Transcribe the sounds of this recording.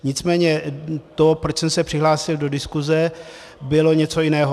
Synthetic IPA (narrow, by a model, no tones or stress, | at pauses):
ɲɪt͡smɛːɲɛt̪opɾo̞t͡ʃsɛmsɛpr̥ɪɦlaːsɪldo̞dɪskuzɛ | bɪlo̞ɲɛt͡so̞jɪnɛːɦo